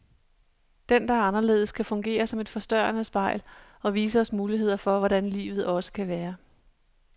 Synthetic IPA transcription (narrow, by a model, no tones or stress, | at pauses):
d̥end̥ɑ̈æɐɑnɐle̝̰ːðˠəskʰæfɔ̽ŋɡ̥e̝̰ːɐsɒ̽me̝d̥fɒ̽sd̥ɶɐnəsb̥ɑ̈ɪ̰l | ɒ̽ʋiːsəɒ̽smuːliɦe̝ð̞̰ˠɐfɒ̽ʋɒɾ̥ænlḭːʋð̩ˠɒ̽sə̥kʰæʋæːɐ